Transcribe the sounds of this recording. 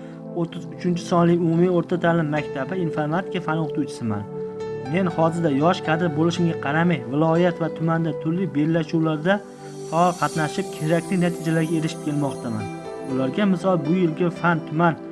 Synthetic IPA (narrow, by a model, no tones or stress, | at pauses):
ot̪ʰːɪzʊt͡ʃʰɪnt͡ʃʰɪ̥sɒnlɪjʊmumijoɾt̪ʰat̪ʰaːlɪmːakʲt̪ʰabɪinfoɾmat̪ʰɪkafanoqt̪ut͡ʃʰɪ̥sɪma̰nme̞nhɒzɪɾd̪ajɒʃqʰɑd̪ɪɾbolˠɪʃɪmɡʲaqʰɑɾamajvɪlˠɒjat̪vat̪ʰʊmand̪at̪ʰʊɾlɪbe̞lːaʃuwlaɾd̪a | faɒlˠqʰɑt̪naʃɪp̚kʲʰeɾakʲlɪnat̪ʰɪd͡ʒalaɾɡʲae̞ɾɪʃɪ̥p̚kʲʰe̞lˠmɒqt̪ʰama̰n | ʊlaɾɡʲamɪsɒlˠbʊjɪlɡʲafant̪ʰʊman